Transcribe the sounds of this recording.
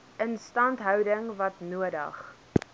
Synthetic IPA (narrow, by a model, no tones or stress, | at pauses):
ʔənstɐntɦœwdəŋvɐtnuədə̰χ